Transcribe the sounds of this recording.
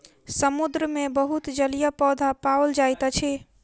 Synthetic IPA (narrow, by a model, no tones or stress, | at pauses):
səmud̪ɾəmebəɦut̪d͡ʒəlijəpɔd̪ʱapawəld͡ʒajt̪ət͡ʃʰi